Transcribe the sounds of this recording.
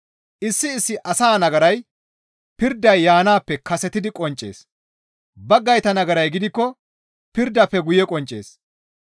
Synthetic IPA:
ʔɪsːɪːsːɪʔɐsaːnɐɡɐɾɐj | pɪɾd̪ɐjːaːnaːpːɛkɐsɛt̪ɪd̪ɪkʼɔnt͡ʃʼːḛːs | bɐɡːɐjt̪ɐnɐɡɐɾɐjɡɪd̪ɪkːɔ | pɪɾd̪ːɐpːɛɡʊjɛkʼɔnt͡ʃʼːe̞̰ːs

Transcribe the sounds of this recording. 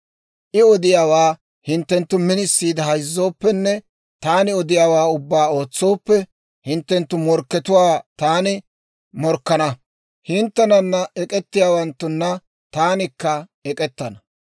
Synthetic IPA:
ʔɪɔd̪ɪjaːwaː | hɪnt̪ːɛnt̪ːʊmɪnɪsːiːd̪ɐɦɐjzːo̞ːpːɛnːɛ | t̪aːnɪɔd̪ɪjaːwaːʊbːaːo̞ːt͡sːo̞ːpːɛ | hɪnt̪ːɛnt̪ːʊmɔɾkːɛt̪ʊwaːt̪aːnɪ | mɔɾkːɐnɐ | hɪnt̪ːɛnɐnːɐʔɛkʼɛt̪ːɪjaːwɐnt̪ːʊnːɐ | t̪aːnɪkːɐɛkʼɛt̪ːɐnɐ

